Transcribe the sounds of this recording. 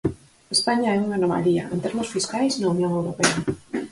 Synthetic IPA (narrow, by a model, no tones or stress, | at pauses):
espaɲaɛuŋanoma̰lia̰ent̪eɾmosfiskajsnaunjõŋewɾopea